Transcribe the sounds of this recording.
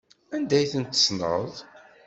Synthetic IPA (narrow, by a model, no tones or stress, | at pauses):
ænd̪æjθənt̪ːə̥snə̰ðˤ